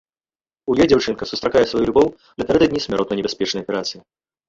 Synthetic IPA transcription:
ujɔjd͡zʲawt͡ʂɨnkɐsust̪ɾakajɛsvajulʲubɔw | nɐpʲɛɾɛd̪ɐd̪ʲnʲisʲmʲɛɾɔt̪nɐjnʲɪbʲɛsʲpʲɛt͡ʂnɐjɐpʲɛɾat̪sɨji

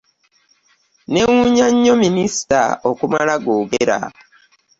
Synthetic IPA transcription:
neŋuɲaɲːominisi̥ta̰okumalaɡoːɡeɾa̰

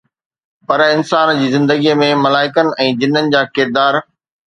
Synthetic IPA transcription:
pɐɾɪnsaːnd͡ʑiːzɪ̃nd̪əɡimẽmɐlaːɪkənɪ̆ʔɛ̃ːd͡ʑɪn̤ənɪ̆d͡ʑaːkɪɾd̪aːɾ

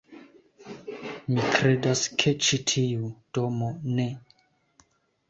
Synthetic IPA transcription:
mikɾedaskʰet͡ʃitʰiud̥omone

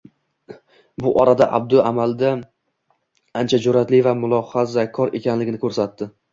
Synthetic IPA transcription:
bʊʔɒɾad̪aʔa̰b̚d̪ʊamald̪a | ant͡ʃʰad͡ʒʊɾat̪lɪvamʊlˠɒχazakʰɒɾe̞̰kʲanlɪɡʲɪnɪkʰɵɾsat̪ːɪ

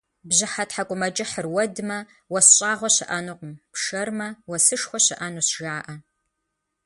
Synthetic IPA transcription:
bʑɪħatħakʷʼʊmɐd͡ʒɪħərwɐdɨmɐ | wɐsɕʼaːʁʷɔɕɪʔɐnuːqʷʊmpʂɐrmɐwɐsɨʂxʷɔɕɪʔɐnuːsʒaːʔɐ

